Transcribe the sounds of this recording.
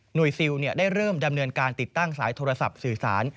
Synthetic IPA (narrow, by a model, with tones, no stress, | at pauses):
nu˨˩əjsi˧wni˥˩ɐdaː˥˩jɾɤː˥˩mda˧mnɤː˧nkaː˧nt̪i˨˩t̪ːa˥˩ŋsaː˩˦jt̪ʰoː˧ɾa˧sa̰˨˩p̚sɯː˨˩sa̰ː˩˦n